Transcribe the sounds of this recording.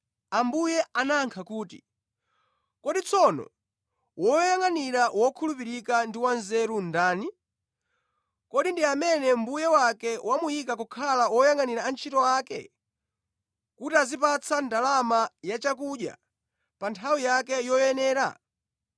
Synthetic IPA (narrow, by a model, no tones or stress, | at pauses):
ambujɛʔanaŋkʰakuːtḭ | kɔɗit͡sʰɔnɔ̰ | wɔjaŋaniɾawɔkʰulupiɾikandiwanzɛɾundaːni | kɔɗindiamɛnɛm̩bujɛwakɛwamujikakɔkʰalawɔjaŋaniɾaːnt͡ʃʰitɔwaːkɛ̰ | kutiazipat͡sʰandalamajat͡ʃak̬uʄja̰ | pantʰawijakɛjɔjɛnɛːɾa̰